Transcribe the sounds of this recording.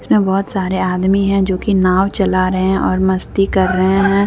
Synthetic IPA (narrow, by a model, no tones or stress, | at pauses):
ɪsmẽbɔːʊt̪saːɾeaːd̪miɦɛ̃d͡ʒoːkinaːwt͡ʃɐlaɾɐɦẽʔɔːɾmɐst̪ikɐɾːɐɦẽɦɛ̃ː